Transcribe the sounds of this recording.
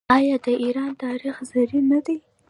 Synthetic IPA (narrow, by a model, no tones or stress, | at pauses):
ɑjɑd̪əiɾɑnt̪ɑɾixzaɾinad̪aj